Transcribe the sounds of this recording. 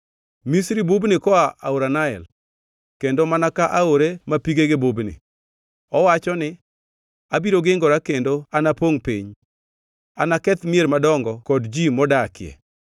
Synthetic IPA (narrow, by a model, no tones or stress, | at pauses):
misɾibubnɪkɔaʔauɾanaɛ̰l | kendomanakaʔaoɾemapiɡeɡebubnɪ̰ | ɔwat͡ʃɔnɪ | abiɾoɡɪŋɡɔɾakendoanapoŋpḭɲ | anakɛt̪mɪeɾmadɔŋɡɔkɔdd͡ʒimɔdakɪɛ̰